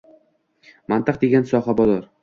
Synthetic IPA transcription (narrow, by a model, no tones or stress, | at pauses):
mant̪ɨq̚d̪e̞ɡʲansɒhabɒzɒɾ